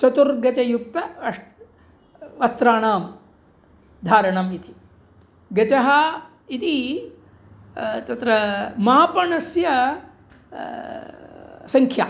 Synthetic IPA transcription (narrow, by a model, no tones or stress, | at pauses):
t͡ʃɐt̪uɾɡɐt͡ʃɐjup̚t̪ɐɐʂ | ʋɐst̪ɾaːɳaːm | d̪ʱaːɾɐɳɐmit̪i̥ | ɡɐt͡ʃɐɦɐ | it̪i | t̪ɐt̪ɾɐmaːpɐɳɐsjɐ | sɐŋkʰja̰ː